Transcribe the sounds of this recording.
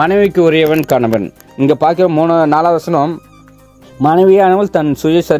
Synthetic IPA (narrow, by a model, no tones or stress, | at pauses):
ɐnɐɪʋɪkːɯʊɾɪjɐʋɐnkaːɳɐʋɐn | ɪŋɡeːpaːɾkɪɾɐmuːnɐnaːlaːʋɐsɐnɐm | mɐnɐɪʋɪjaːnɐʋɐlt̪ɐnsʊjɐsɐɾ